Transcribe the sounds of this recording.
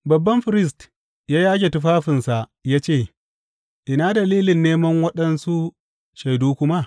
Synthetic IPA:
bɐ˨bːɐ˦mɸɪ˨ɾɪ˦s̬t | jaː˦jaː˦ɡʲe˨tʊ˦ɸaː˦ɸɪ˨nsa˨jaː˦t͡ʃeː˦˨ | ʔɪ˨na˦dɐ˨liː˦lɪ˨nːeː˦mɐ˦ŋwɐ˦ɗɐ˦nsu˦ | ʃɐ˨jduː˦kʷʊ˦ma˦

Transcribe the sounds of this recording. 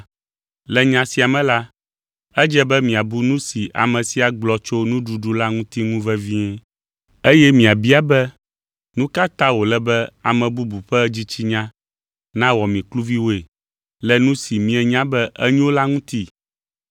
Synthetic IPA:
lɛ˨ɲã˨si˨a˨mɛ̃˦la˦ | ɛ˦d͡ʒɛ˦bɛ˦mĩ˨a˨bu˦nũ˦si˨ʔa̰˨mɛ̃˨si˦a˨ɡ͡blɔ˨t͡ʃo˦nũ˦ɖu˨ɖu˦la˦ŋũ˦t̪i˦ŋũ˦vɛ˦vi˦ɛ˦ | e˦jɛ˦mĩ˨a˨bi˦a˨bɛ˦ | nũ˦ka˦t̪ã˦wo˨lɛ˦bɛ˦a˨mɛ̃˨bu˦bu˨ɸɛ˦d͡ʑi˦t͡ɕi˦ɲã˦ | nã˦wɔ˨mĩ˨klu˦vi˦wo˦e˨ | lɛ˨nũ˦si˨mĩ˦ɛ˨ɲã˦bɛ˦ʔɛ˦ɲũ˦wo˦la˦ŋũ˦t̪i˦

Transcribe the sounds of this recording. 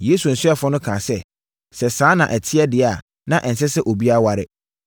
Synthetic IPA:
je˦su˨n̩˨sʊ˦ɛ˦fʊ˦nʊ̃˦kʰãː˨sɛ˦ | sɛ˨sãː˦nã̰˨ʔɛ˨tʰɪ˦ɛ˦dɪ˨a˨ | nã˦ʔn̩˨sɛ˦sɛ˦ʔo˨bi˦a˦wa˨ɾɪ̰˦

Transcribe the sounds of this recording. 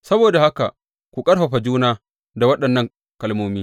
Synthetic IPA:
sɐ˦boː˨da˨ha˦ka̰˨ | kʷu˨kʼɐ˦ɽɸɐ˨ɸa˨d͡ʒuː˦naː˦ | da˨wɐ˦ɗɐ˨nːɐ˦˨ŋ | kɐ˨lmoː˦miː˦

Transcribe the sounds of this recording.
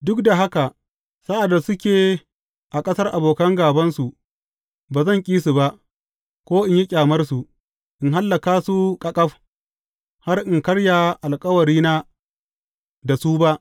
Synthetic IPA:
dʊ˦kda˨ɦa˦ka˨ | saː˦ʔa˨dːa˨sʊ˦kʲeː˨ | ʔa˨kʼɐ˦sɐ˦rʔa˨boː˨kɐ˦ŋɡaː˨bɐ˦nsu˨ | baː˨zɐ˦˨ŋkʲʼiː˦su˨ba˦ʔ | kʷoː˦ʔɪ˨ɲji˦kʲʼaː˨mɐ˦rsu˨ʔ | ʔɪ˨ŋɦa˦lːɐ˨kaː˦su˦kʼɐ˨kʼɐ˦ɸ | ha˦rʔɪ˨ŋkɐ˦ɽja˨ʔa˨lkʼɐ˦wɐ˨ɾiː˦naː˦ | da˨suː˦ba˦ʔ

